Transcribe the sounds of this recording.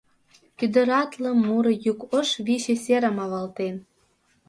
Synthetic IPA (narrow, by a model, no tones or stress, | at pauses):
kʲyd̪ə̆ɾɑt̪lɤ̆mːuɾɤ̆jukəʃβiɕĕsʲeɾə̆mɑβɑlt̪en